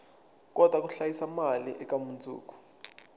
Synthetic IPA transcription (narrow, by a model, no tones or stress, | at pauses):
k̬ʼɔd̥ʱwak̬uɬajisamaliʔɛk̬ʼamunt͡sʼṵːk̬ʼu̥